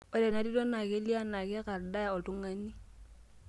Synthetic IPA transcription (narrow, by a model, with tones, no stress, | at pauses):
ɔ˨ɾɛ˨na˦di˦dɔ˦na˨ke˦li˦a˦na˨kɛ˦ka˨ɾda˦ja˨ɔ˨tu˦ŋa˦ni˦